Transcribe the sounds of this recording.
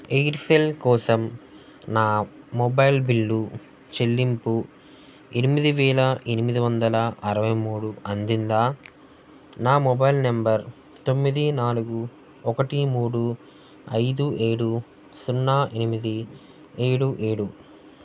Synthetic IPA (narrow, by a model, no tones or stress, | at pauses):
ejʈselkɔːsɐm | naːmɔbɐjlbilːu | t͡ʃe̞lːimpu | enimid̪iʋɛːlɐʔe̞nimid̪iʋɐnd̪ɐlɐɐɾɐʋɐjmuːɽuɐnd̪ind̪aː | naːmɔbɐjlnɐmbɐɾ | t̪o̞mːid̪inaːluɡu | ɔkɐʈimuːɽu | ɐjd̪uʔe̞ːɽu | sunːaːʔenimid̪i | eːɽuʔe̞ːɽu